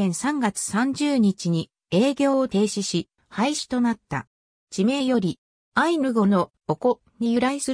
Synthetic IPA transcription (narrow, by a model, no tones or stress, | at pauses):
ẽɰ̃sãŋɡat͡sɨ̥sãɲ̟d͡ʑɨːɲ̟it͡ɕiɲ̟i | e̞ːɡʲo̞ːot̪e̞ːɕiɕi | haiɕi̥t̪o̞nat̪ːa̰ | d͡ʑime̞ːjo̞ɾʲi | ainɯ̟ɡo̞no̞ | oko̞ | ɲ̟ijɯ̟ɾaisɨ